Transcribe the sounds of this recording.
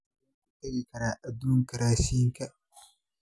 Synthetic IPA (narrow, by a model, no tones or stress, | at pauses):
taɡikɐɾaʔad̪uŋkɐɾaːsiŋka